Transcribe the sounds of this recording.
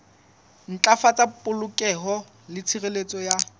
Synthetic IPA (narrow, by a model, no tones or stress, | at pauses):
n̩t͡ɬʼafat͡sʼapʼʊlʊkʼɛɦɔ | lɪt͡sʰirelet͡sʼɔja